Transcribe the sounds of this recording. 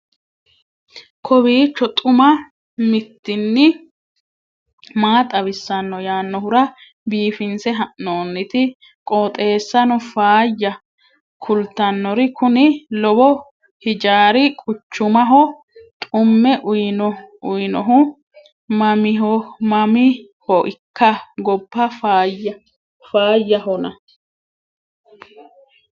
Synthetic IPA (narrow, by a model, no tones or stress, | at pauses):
kʰɔbiːt͡ʃːɔt̪ʼʊmɐ | mɪt̪ːɪnːɪ | maːt̪ʼɐβɪsːɐnːɔjaːnːɔhʊɾɐ | biːfɪnsɛɦɐʔnoːnːɪt̪ɪ | kʼoːt̪ʼe̞ːsːɐnɔfaːjːɐ | kʰʊlt̪ːɐnːɔɾɪkʊnɪlɔbɔ | hɪd͡ʒaːɾɪkʼʊt͡ʃːʊmɐɦɔ | t̪ʼʊmːɛʔʊjnɔʊjnɔɦʊ | mɐmɪɦɔmɐmɪ | hɔʔɪkːɐɡɔbːɐfajɐ | faːjːɐhɔnɐ̰